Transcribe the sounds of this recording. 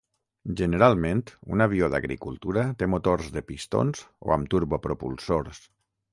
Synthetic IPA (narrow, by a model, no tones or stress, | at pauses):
ʒənəɾalˠmẽnt̪ṵnaβ̞ioða̰ɣɾḭkulˠt̪uɾat̪emot̪orzðəpist̪o̰nzo̰amt̪uɾβopɾopulˠsoɾs